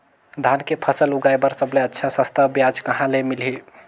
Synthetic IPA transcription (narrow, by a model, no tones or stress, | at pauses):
d̪ʱankepʰəsəluɡajbəɾsəbleətːʃʰasə̃st̪ʰəbjad͡ʒkəɦãlemilɦi